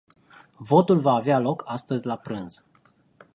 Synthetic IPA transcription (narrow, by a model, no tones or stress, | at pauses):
vo̞t̪ulvaːvealo̞kʰast̪əzʲlapɾɨnz̥